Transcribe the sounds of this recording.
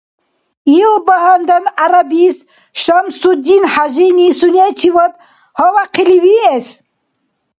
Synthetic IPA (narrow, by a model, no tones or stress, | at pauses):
ilbɐɦɐnd̪ɐnaɾabis | ʃɐmsud̪inħaʒinisunet̪ʰiwɐt̪ | hɔwaqʰiliwies